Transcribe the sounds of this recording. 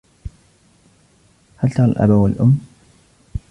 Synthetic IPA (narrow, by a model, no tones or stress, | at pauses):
halt̪ɑɾˤalʔa̰bawalʔʊ̰mː